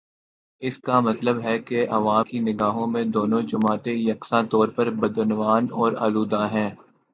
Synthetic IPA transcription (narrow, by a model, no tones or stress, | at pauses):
ɪskamɐt̪ləbɦɛkeʔɐ̰ʋaːmkinɪɡaːɦõmẽd̪oːnõd͡ʒʊmaːt̪ejɐksãt̪ɔːɾpɐɾbɐd̪ənʋaːnɔːɾa̰ːluːd̪aɦɛ̃ː